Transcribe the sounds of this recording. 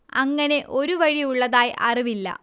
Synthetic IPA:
ɐŋːɐne̞ʔo̞ɾuʋɐɻijuɭːɐðaːjʔɐ̰riʋilːɐ̰

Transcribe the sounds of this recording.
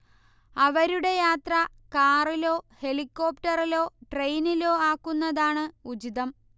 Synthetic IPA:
ɐʋɐɾuɽe̞jaːt̪rɐkaːrilo̞ːhe̞likːo̞ːpʈɐrilo̞ːʈrejnilo̞ːaːkːunːɐðaːɳɨud͡ʑiðɐm

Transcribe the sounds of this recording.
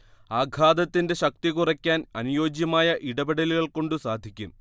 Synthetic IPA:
aːɡʱaːd̪ɐt̪ːinde̞ɕɐk̚t̪iɣurɐkʲːaːnɐnujo̞ːd͡ʑjɐmaːjɐʔiɽɐbiɽɐliɣɐɭko̞ɳɖɨsaːd̪ʱikʲːum

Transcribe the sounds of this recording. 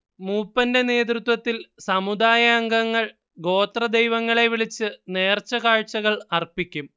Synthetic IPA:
muːpːɐnde̞ne̞ːt̪̬rut̪wɐt̪ːilsɐmud̪aːjaːŋɡɐŋːɐɭ | ɡo̞ːt̪rɐd̪ejʋɐŋːɐɭe̞ʋiɭit͡ɕːɨne̞ːrt͡ɕːɐɣaːɻt͡ɕːɐɣɐɭɐrpikʲːum

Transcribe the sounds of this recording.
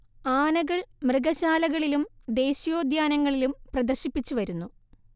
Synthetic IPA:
aːnɐɣɐɭmrɨɣɐɕaːlɐɣɐɭilumd̪e̞ːɕijo̞ːd̪jaːnɐŋːɐɭilumprɐd̪ɐrɕipːit͡ɕːuʋɐɾunːu

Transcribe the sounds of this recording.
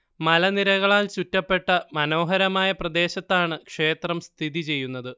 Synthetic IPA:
mɐlɐniɾɐɣɐɭaːlt͡ɕutːɐpːe̞ʈːɐmɐno̞ːɦɐɾɐmaːjɐprɐd̪e̞ːɕɐt̪ːaːɳɨkʂe̞ːt̪rɐmst̪ʰiðit͡ɕe̞jːunːɐðɨ

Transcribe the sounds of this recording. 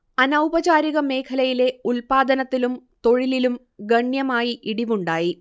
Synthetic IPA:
ɐnɐwbɐd͡ʑaːɾiɣɐme̞ːkʰɐlɐjile̞ulpaːd̪ɐnɐt̪ːilumt̪o̞ɻililum | ɡɐɳjɐmaːjiʔiɽiʋuɳɖaːji

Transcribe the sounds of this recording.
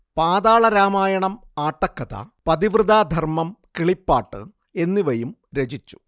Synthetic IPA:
paːd̪aːɭɐɾaːmaːjɐɳɐm | aːʈːɐkːɐt̪ɐ̰pɐd̪iʋrɨd̪aːd̪ʱɐrmɐmkiɭipːaːʈːɨ̰ | e̞nːiʋɐjum | ɾe̞d͡ʑit͡ɕːu̥

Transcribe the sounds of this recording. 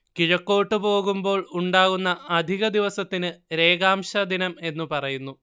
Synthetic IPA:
kiɻɐkːoːʈːɨpo̞ːɣumbo̞ːɭuɳɖaːɣunːɐɐd̪ʱiɣɐd̪iʋɐsɐt̪ːinɨɾe̞ːɡaːmɕɐd̪inɐme̞nːupɐrɐjunːu

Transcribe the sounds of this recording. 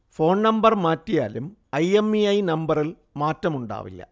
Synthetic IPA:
fo̞ːɳnɐmbɐrmaːtːija̰ːlumɐjemːiɐjnɐmbɐril | maːtːɐmuɳɖa̰ːʋḭlːɐ̰

